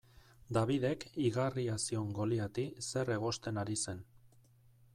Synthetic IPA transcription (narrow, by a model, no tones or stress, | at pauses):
d̪aβiðe̞kiɣariasio̞ŋɡo̞liat̪ise̞re̞ɣ̞o̞st̪e̞naɾise̞n